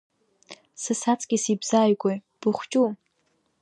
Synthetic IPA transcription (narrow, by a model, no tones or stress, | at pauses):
sɨsat͡sʼɡ̥ʲisibz̥aːjɡʷʼe | b̥ɨχʷt͡ʃʼu